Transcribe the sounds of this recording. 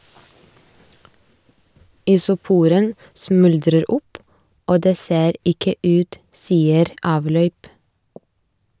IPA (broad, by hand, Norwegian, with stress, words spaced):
ɪsʊˈpuːɾən ˈsmʉldɾəɾ ˈʊp ˈoː ˈdeː ˈseːɾ ˈɪkə ˈʉːt ˈsiːəɾ ˈɑːʋlœʏp